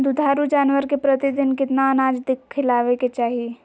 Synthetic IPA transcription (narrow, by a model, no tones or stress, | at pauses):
d̪ʊd̪ʱaːɾud͡ʒaːnʋəɾkepɾət̪id̪ɪnkɪt̪naənaːd͡ʒd̪ɪkʰːɪlaːʋeket͡ʃaːɦie